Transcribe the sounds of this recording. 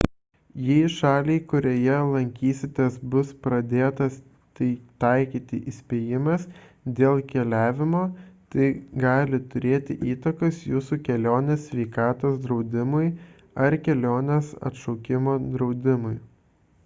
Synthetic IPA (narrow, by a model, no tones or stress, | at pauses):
jɛɪʃɑːlʲeɪkʊɾʲoːjɛlˠɐŋʲkʲiːsʲɪt̪ʲeːsbʊspɾɐd̪ʲeːt̪ɐs | t̪ɐɪt̪ɐɪkʲiːt̪ʲɪʔisʲpʲeːjɪmɐsd̪ʲeːlˠkʲɛlʲæːʋʲɪmoːt̪ɐɪɡɑːlʲɪt̪ʊɾʲeːt̪ʲɪ̰ʔiːt̪ɐkɐsjuːsukʲɛlʲoːnʲesʲʋʲɛɪkɑːt̪oːsd̪ɾɒʊd̪ʲɪmʊɪ | ɐɾkʲɛlʲoːnʲesɐ̰t̪ʃɔʊkʲɪmoːd̪ɾɒʊd̪ʲɪmʊɪ